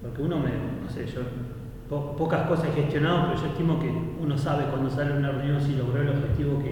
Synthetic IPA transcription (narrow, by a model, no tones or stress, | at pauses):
poɾkeuno̞menoseʒo | popokaskosasexeht̪jo̞naðopeɾoʒo̞eht̪imokeuno̞saβekwand̪osaleunareunjo̞nsilo̞ɣɾoeloβxet̪iβoke